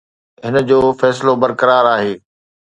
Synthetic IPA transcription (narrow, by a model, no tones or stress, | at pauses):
ɦɪnə̆d͡ʑoːfɛːsɪlobɐɾkɐɾaːɾaːɦeː